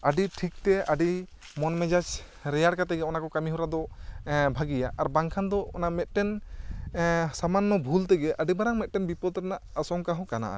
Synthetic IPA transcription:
aɖiʈʰik̚t̪ɛaɖi | mɔnmɛd͡ʒat͡ʃ | ɾɛjaɽkat̪ɛɡɛɔnakɔkamiɦɔɾad̪ɔbʱaɡijaʔaɾbaŋkʰand̪ɔɔ̰namɛt̪̚ˀʈɛn | samanːɔbʱult̪ɛɡɛʔaɖibaɾaŋmɛt̪̚ˀʈɛnbipɔd̪̚ɾnaʔasɔŋkaɦɔ̃kana̰ʔa̰

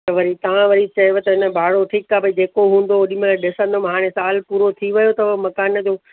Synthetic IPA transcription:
ɐʋɐɾit̪ɐʋ̤ãʋɐɾit͡ɕɐɦiʋet̪ɐɦɪnəbʱaːɽoʈʰiːkːaːbɐid͡ʑeːkoɦũːn̆d̪oʊɗɪmẽɗɪsə̃nd̪om̃ɦaːɽ̃ẽsaːlpuːɾot̪ʰiʋɐjot̪ɐʋmɐkaːnd͡ʑoː

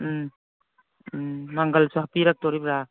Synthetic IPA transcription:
maŋɡalsɔhapiɾak̚tɔɾibɾa

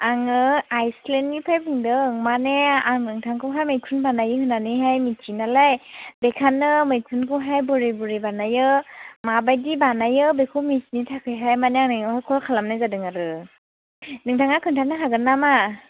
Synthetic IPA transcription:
aŋɯajslenɡipʰajbʰɯŋdɯŋmaneaŋnɯŋtʰaŋkʰɯmɦajmajtʰunbanajɯɦɯnanɯjɦajmitʰinalajbekʰanːɯmɯjkʰunkʰuɦajbɯɾibuɾibanajɯmabajdibanajɯbekʰumisnitʰakʰɯjɦajmaneaŋnɯhakʰɔlkʰalamnajzadɯŋaɾɯ | nɯŋtʰaŋakʰɯntʰaknɯɦaɡɯnːama

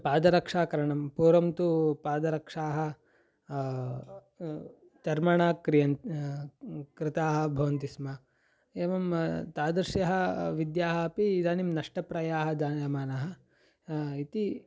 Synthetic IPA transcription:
paːd̪ɐɾɐkʂaːkɐɾɐɳɐmpuːɾɐmt̪upaːd̪ɐɾɐkʂaːɦɐ̆ | t͡ʃ̪ɐɾmɐɳaːkɾijɐn | kɾɪt̪aːɦɐ̆bʱɐʋɐnt̪ismɐ | eːʋɐmt̪aːd̪ɐɾʃjɐɦɐ̆ʋid̪jaːɦɐɐpiːd̪aːnimnɐʂʈɐpɾɐjaːɦɐ̆d͡ʒ̪aːɐmaːnaɦɐ̆ | it̪i

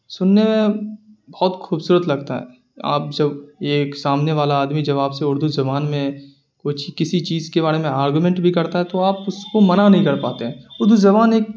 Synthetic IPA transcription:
sʊnːemẽbɔːɔt̪xuːbsuːɾət̪lɐɡt̪aɦɛ̰ː | a̰ːp̚d͡ʒɐbeːksaːmneʋaːlaaːd̪mid͡ʒɐβaːpseʊɾd̪ʱuzɐbaːnmẽ | koːt͡ʃʰikɪsit͡ʃiːzkebaːɾemẽaːɾɡumɛ̃ɳʈbʱikɐɾt̪aɦɛt̪oaːpʊskomɐnanɐɦĩkɐɾpa̰ːt̪eɦɛ̃ʊɾd̪uzɐβaːneːk̚

